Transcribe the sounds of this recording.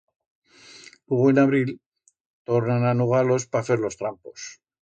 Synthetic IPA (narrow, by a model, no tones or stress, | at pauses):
uɣenaβɾil | t̪o̞ɾnananuɣ̞aɾlo̞spafeɾlo̞st̪ɾampo̞s